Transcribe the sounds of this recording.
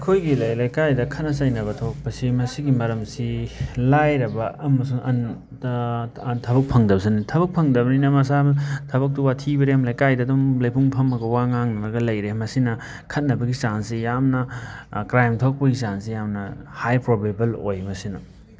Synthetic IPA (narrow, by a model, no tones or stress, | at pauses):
kʰojɡilɐjlajkajdɐkʰɐt̚nɐsɐjnɐβɐtʰok̚pɐsimɐsiɡimɐɾɐmsilajɾɐbɐʔɐmɐsuŋɐn | tʰɐbɐk̚pʰɐŋdɐbɐsinitʰɐbɐk̚pʰɐŋdɐbɐninɐmɐsabɐtʰɐbɐk̚tuwatʰibɐɾeɐmlɐjkajdɐdɔmlɐjpʰuŋpʰɐmɐɡɐwaŋaŋnɐnɐɡɐlɐjɾemɐsinɐ | kʰɐt̚nɐbɐɡisansijamnɐkɾajmtʰok̚pɐisansijamnɐhajpɾobajbɐlo̰jmɐsinɐ̰